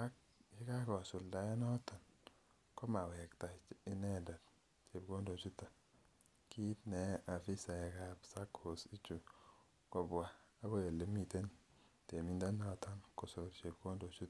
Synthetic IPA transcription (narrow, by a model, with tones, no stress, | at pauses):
a˦k̚ | i˦ka˦kɔ˨su˨lda˨ɛ˦nɔ˦ta˨n | kɔ˦ma˨wɛ˨kta˨ɪ˦nɛ˦da˨t | t͡ʃe˨b̚ko˦ndo˨t͡ʃu˦ta˨ | ki˦tnɛ˨a˨fi˦sa˨ɛ˨ka˨psa˦kʰo˨si˦t͡ʃu˨ | kɔ˨bwaː˨˦bo˦e˨lːe˦mi˨te˦n | te˨mi˦nda˦nɔ˨ta˦nkɔ˨so˨ɾt͡ʃe˨b̚ko˦ndo˨t͡ʃu˦t